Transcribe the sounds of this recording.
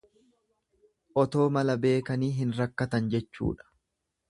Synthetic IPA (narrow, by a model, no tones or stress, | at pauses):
ʔɔt̪o̞ːmɐlɐbe̞ːkɐniːɦɪnɾɐkːɐt̪ɐnd͡ʒɛt͡ʃːṵːᶑɐ̥